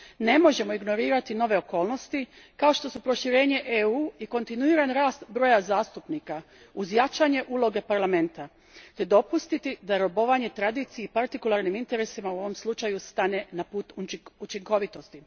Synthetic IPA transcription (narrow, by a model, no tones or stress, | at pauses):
ne̞mo̞ʒe̞moiɡno̞ɾiːɾat̪ino̞ʋe̞o̞ko̞ːlno̞st̪i | kao̞ʃt̪o̞supɾo̞ʃiɾe̞ːɲe̞ʔeuːiko̞nt̪inuiːɾanɾaːst̪bɾo̞jazaːst̪upnika | uzjat͡ʃaɲe̞ʔuːlˠo̞ɡe̞paɾlame̞nt̪a | t̪e̞d̪o̞pust̪it̪id̪aɾo̞bo̞ʋaɲe̞t̪ɾad̪it̪sijeipaɾt̪ikulˠaːɾnimint̪e̞ɾesimauo̞ʋo̞mslˠut͡ʃajust̪aːne̞napuːt̪uut͡ʃiŋko̞ʋit̪o̞st̪i